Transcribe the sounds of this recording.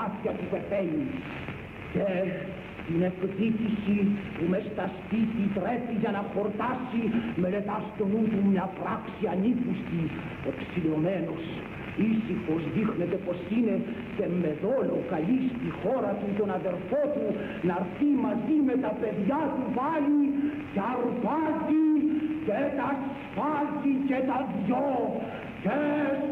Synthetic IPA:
ɐt̪çɐt̪upe̞pelis | ce | t̪inektit̪isipumest̪ɐspit̪it̪ɾepiʝɐnɐxo̞ɾt̪ɐsimelet̪ɐst̪onut̪umɲɐpɾɐksiɐnikust̪i | e̞psilo̞meno̞s | isixo̞zðixne̞t̪epo̞sine̞ | se̞me̞ðolokɐlist̪ixo̞ɾɐt̪ut̪o̞nɐðe̞ɾfot̪u | nɐɾθimɐzimet̪ɐpe̞ðjɐt̪upɐli | cɐɾupɐt̪icet̪ɐs | fɐlt̪icet̪ɐðʝo | ce

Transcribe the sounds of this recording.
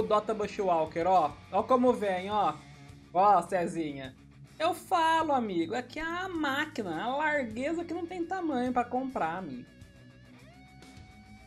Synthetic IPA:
d̪ɔt̪ɐbɐʃiwawkeɾɔɔkõmʊvẽj̃ɔ | ɔsɛzĩɲɐ | ewfalʊamiɡʊɛkiɐmakinɐalaɾɡezɐkɪnɐ̃w̃t̪ẽj̃t̪amɐ̃ɲʊpɾɐkõmpɾaamḭɡʊ

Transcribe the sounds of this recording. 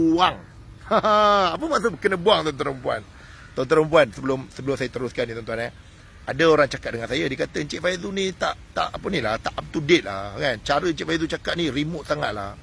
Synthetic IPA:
uaŋ | aapəmaʔsabəkənəbuaŋt̪ɔnt̪uɾəmpua̰n | t̪ɔnt̪əɾəmp̬uansəbəlʊmsəbəlʊmsajat̪əɾʊskanit̪ɔnt̪uana | adaoɾaŋt͡ʃakat̪̚dəŋansajadikat̪ət͡ʃɪʔfaizunit̪aʔt̪a̰ʔpənĩlaht̪aʔap̚t̪udɪt̪̚la̰kant͡ʃaɾəɲt͡ʃɪʔ̪fajðut͡ʃakaʔ̪̚niɾimʊʔ̪̚saŋa̰t̪̚la̰h

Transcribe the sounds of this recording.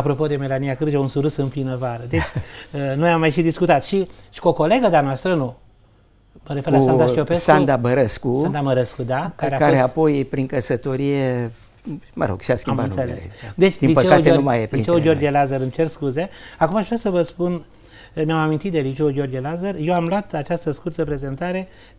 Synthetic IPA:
apɾo̞po̞d̪e̞me̞lanijakɨɾd͡ʒeunsuɾɨsɨmplinəvaɾəd̪et͡ʃʲənojamːajʃid̪iskut̪at̪ʃiʃi̥koko̞le̞ɡəd̪anoast̪ɾəno | məɾe̞feɾlasaaʃiopessand̪abəɾəskusand̪aməɾəskud̪akaɾeakaoɾeapo̞jpɾiŋkəsət̪o̞ɾije | mə̰ɾo̞̰ɡ̥ʃiaskʲiambaɨnselessd̪e̞t͡ʃ̪ʲilipət͡ʃekaɡ̪enumajelit͡ʃewuɡʲiord͡ʒelazəɾɨnt͡ʃerskuzeakumaːʒvɾasəvəspun | mjamamint̪it̪̚d̪elit͡ʃe̞uɡʲio̞rɡelazərjewamlwat̪at͡ʃast̪əskurt̪əpɾe̞ze̞nt̪aɾe̞

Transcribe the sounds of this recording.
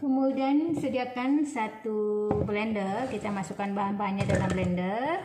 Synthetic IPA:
kəmudiansədiakansat̪ublɛndərkit̪amasukanbaɦanbaɲakdanamblɛndər

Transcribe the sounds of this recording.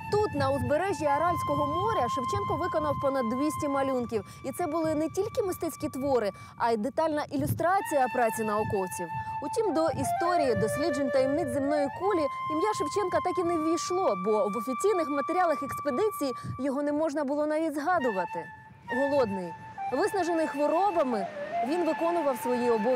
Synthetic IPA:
t̪ut̪nɐʊzbe̞ɾɛʒʲiɐɾɑlʲsʲkɔɦɔmɔɾʲɐʃɪwt͡ʃɛnkɔʋɪkɔnɐwpɔnɐd̪ːʋʲisʲtʲimɐlʲunkʲiw | it̪sɛbʊlˠɪnetʲilʲkɪmɪst̪ɛt͡sʲkʲit̪ʋɔɾɪ | ɐd̪et̪ɑlʲnɐʔilʲʊst̪ɾɑt͡sʲijɐpɾɑt͡sʲinɐɔkɔwt͡sʲiwutʲimd̪ɔʔist̪ɔɾʲijid̪ɔsʲlʲid͡ʒenʲt̪ɐjimnɪt͡sʲzɪmnɔjikulʲiimjaʃɪwt͡ʃɛnkɐt̪ɑkʲineʋʲijʃlˠɔbɔʋɔfʲit͡sʲijnɪxmɐt̪eɾʲɑlˠɐxeksped̪ɪt͡sʲijjɔɦɔnɛmɔʒnɐbʊlˠɔnɐʋʲidʲzɦɑd̪ʊʋɐt̪ɪ | ɦɔlˠɔd̪nɪji | ʋɪsnɐʒenɪjxʋɔɾɔbɐmɪʋʲinʋɪkɔnʊʋɐwsʋɔjiɔbɔ

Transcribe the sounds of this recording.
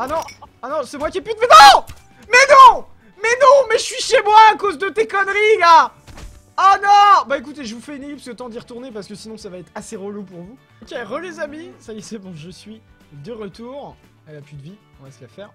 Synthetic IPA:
anɔ̃ | anɔ̃sɛmwakʲiɛpyt̪̚mɛnɔ̃ | mɛnɔ̃ | mɛnɔ̃mɛʒəsɥiʃemwaːkozd̪ət̪ekɔnʁila | anɔ̃baekut̪eʒəvufɛynelipst̪ɑ̃d̪iʁət̪uʁnepaʁsəkəsinɔ̃savaɛt̪χaseʁolupuʁvu | okʲeʁəlezamisajesɛbɔ̃ʒəsɥi | d̪əʁət̪uʁ | ɛlaplyd̪əviɔ̃ɛsəkafɛːʁ

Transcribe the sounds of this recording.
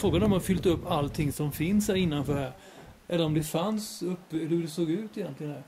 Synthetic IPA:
fɾoːɡanɔmhafʏlt̪ɵpːalt̪ʰɪŋsɔmfɪnshæːɾɪnːanfœːɾɦæːɾ | ʔɛlːəɾɔmd̪ɛfansɵp̪ːhɵdɛsoːɡʉ̟ːt̪ɪjɛnt̪lɪɡənæːɾ

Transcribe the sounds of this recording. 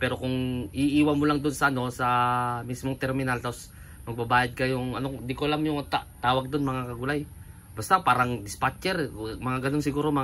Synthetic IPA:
pɛːɾo̞kʊŋʔɪʔiːwamolaŋd̪onsɐʔɐno̞sɐmismoŋt̪ɛɾmɪnalt̪apos | mɐɡ̚bɐbaːjad̪̚kɐjʊŋɐnoɪnd̪ɪkoɐlamjʊŋt̪aʔt̪aːwɐɡ̚d̪onmɐŋakɐɡʊlaj | bast̪apaːɾaŋd̪ɪspat͡ʃɛɾmɐŋaɡɐnonsɪɡuːɾoma

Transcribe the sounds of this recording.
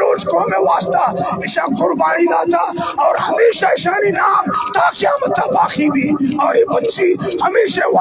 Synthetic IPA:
oːd͡ʒkoɐmẽʋaːst̪aɪʃaqʊɾbaːnid̪aːt̪ʰaɔːɾɦɐmeːʃaɪʃaninaːmt̪aqjaːmət̪ːabaːxibʱiːɔːɾeːbɐt̪ːt͡ʃihɐmeːʃaʋ

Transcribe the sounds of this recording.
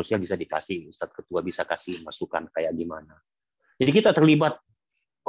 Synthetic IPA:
usɲabisadika̰sɪhust̪at̪̚kət̪uabisakasihmasuka̰nkajaʔɡimana | d͡ʒadikit̪at̪ərlibat̪̚ | k

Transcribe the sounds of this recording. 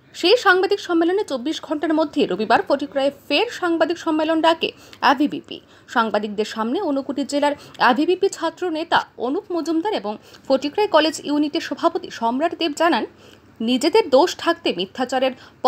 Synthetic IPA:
ʃejʃaŋbad̪ikʃɔmːelonet͡ɕobːiʃɡʱɔɳʈaɾmod̪ʱːeɾobibaɾfoʈikɾaefeɾʃaŋbad̪ikʃɔmːelonɾakḛ | ɛbʱibḭpḭ | ʃaŋbad̪ik̚d̪eɾʃamneonukuʈid͡ʑelaɾɛbʱibipit͡ɕʰat̪ːɾonet̪a̰onukmod͡ʑumd̪aɾeboŋfoʈikɾaekɔled͡ʑjuniʈeɾʃɔbʱapot̪iʃɔmɾaʈd̪ebd͡ʑanan | nid͡ʑed̪eɾd̪oʃʈʰak̚t̪emit̪ʰːat͡ɕaɾeɾp

